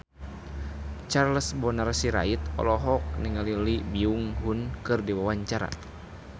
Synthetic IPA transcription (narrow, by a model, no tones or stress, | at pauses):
t͡ʃarləsbɔnarsiɾa̰it̪ɔ̰lɔɦɔk̚niŋalilibiuŋɦunkɨrdiwawaɲt͡ʃaɾa̰